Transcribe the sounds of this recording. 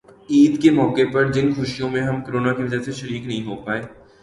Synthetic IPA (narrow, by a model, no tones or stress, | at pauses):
iːd̪kemɔːkepɐɾd͡ʒɪnxʊʃijõmẽɦɐmkəɾoːnakiʋɐd͡ʒəseʃɐɾiːknɐɦĩɦoːpaːeː